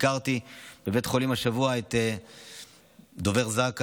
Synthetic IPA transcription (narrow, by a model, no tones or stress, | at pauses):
kaʁt̪ib̥ebetχo̞limaʃavuaet̪e | d̪oveʁzak